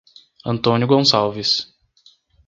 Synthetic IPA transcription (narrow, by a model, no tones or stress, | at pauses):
ɐ̃nt̪õnjʊɡõsawvis